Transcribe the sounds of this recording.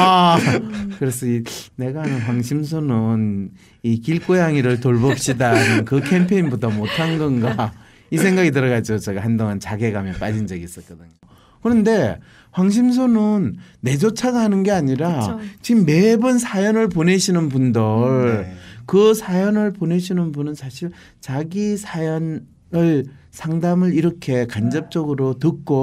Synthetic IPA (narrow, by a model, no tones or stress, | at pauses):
a | kɯɾe̞sʰʌine̞ɡaɦanɯnɸwaŋɕʰims̬ʰonɯn | ikiɭk͈ojaŋiɾɯɭtoɭbʌp̚ɕ͈idanɯnkɯkʰe̞mpʰe̞inbotʰʌmotʰanɡʌnɡa | isʰe̞ŋɡaɡit̬ɯɾʌɣad͡ʑiɡot͡ɕeɡahandoŋant͡ɕaɡe̞ɡamjʌnp͈ad͡ʑind͡ʑʌɡiːs͈ʌt̚k͈ʌdɯɲo | kɯɾʌnde̞ | ɸwaŋɕ̬ʰims̬ʰonɯnːe̞d͡ʑot͡ɕʰaɡahanɯnɡe̞aɲiɾat͡ɕimːe̞bɯnsʰajʌnɯɭp̬one̞ɕʰinɯnbundɯɭkɯsʰajʌnɯɭpone̞ɕʰinɯnbunɯnsʰaɕʰiɭ | t͡ɕaɡisʰajʌn | ɯɭsʰaŋdamɯɾiɾʌkʰe̞kand͡ʑʌp̚t͡ɕ͈ʌɡɯɾotɯk̚k͈o